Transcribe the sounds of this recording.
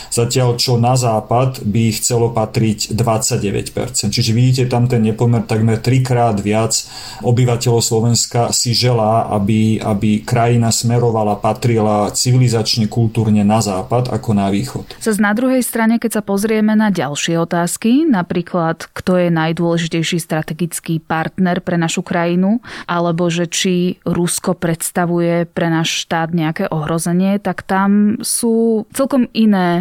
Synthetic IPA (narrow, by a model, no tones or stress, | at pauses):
z̥acɪalt͡ʃɔnazaːpad̪bixt͡sɛlɔpat̪ɾiɟd̪ʋat͡sːaɟɟɛʋɛ̰cpɛ̰ɾt͡sɛnt̪t͡ʃiʒɛʋiɟiːc̬ɛt̪amt̪ɛnɲɛpɔmɛɾt̪aɡmɛɾt̪ɾikɾaːd̪ʋɪat͡s | ʔɔbiʋacɛlɔʊslɔʋɛnskasiʒɛlaːʔa̰bia̰bikɾajinasmɛɾɔʋalapat̪ɾilat͡siʋilizat͡ʃɲɛkult̪uːɾɲɛnazaːpad̪a̰kɔnaʋiːxɔt̪z̥aznad̪ɾuɦɛjst̪ɾaɲɛkɛcsapɔzɾɪɛmɛnaɟa̰lʃɪɛɔt̪aːskinapɾiːklat̪kt̪ɔjɛnajd̪ʊɔlɛʒicɛjʃiːst̪ɾat̪ɛɡit͡skiːpaɾt̪nɛɾpɾɛnaʃukɾajinuʔalɛbɔʒɛt͡ʃiɾuskɔpɾɛt̪st̪aʋujɛpɾɛnaːʃʃt̪aːd̪ɲɛakɛːʔɔɦɾɔzɛɲɪɛt̪akt̪amsuːt͡sɛlkɔminɛː